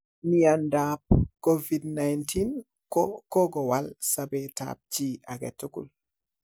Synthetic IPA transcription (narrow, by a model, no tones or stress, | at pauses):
niandap̚kovidnajntʰin | kɔkɔɡɔwalsabɛta̰p̚t͡ʃiaɡɛ̰tːukṵl